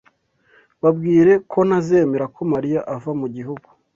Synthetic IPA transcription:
βabɡiːɾe̞kʰo̞naze̞ːme̞ɾakʰo̞maɾijaʔavamuɟiɦuɡu̥

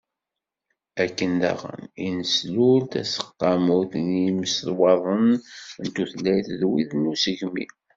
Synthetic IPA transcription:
ækːənd̪æ̰ʁə̰ninəsluɾt̪æ̰sə̥qːɑmuθniməsðwɑðˤənnt̪uθlːæjθðwiðnːusəʝmḭ

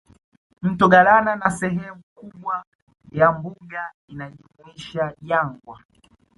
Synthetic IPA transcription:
m̩tɔɡalananasɛɦɛmukuɓwa | jambuɡa | inaʄumuiʃaʄaŋɡwa

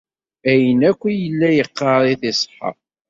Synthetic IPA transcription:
æjənækʷːijəlːæjəqːɑɾˤiθɪsˤħə̰

